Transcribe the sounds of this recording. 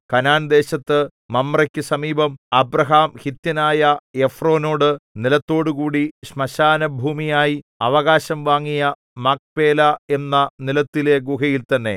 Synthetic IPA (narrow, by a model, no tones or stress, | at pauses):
kɐnaːnd̪e̞ːɕɐt̪ːɨ | mɐmːrɐkʲːɨsɐmiːbɐmɐbrɐɦaːmhit̪jɐnaːjɐe̞fro̞ːno̞ːɽɨnilɐt̪ːo̞ːɽukuːɽiɕmɐɕaːnɐbʱuːmijaːji | ɐʋɐɣaːɕɐmʋaːŋːijɐ | mak̚pe̞ːlɐe̞nːɐnilɐt̪ːile̞ɡuɦɐjilt̪ɐnːe̞̰